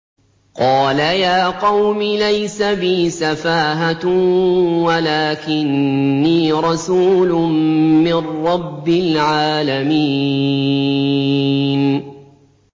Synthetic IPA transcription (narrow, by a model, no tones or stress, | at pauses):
qɑːlajaːqɑwmɪlajsabɪːsafaːɦa | walaːkɪnːiːɾˤɑsuːlʊmmɪrːɑbːɪlʕaːlamiː | n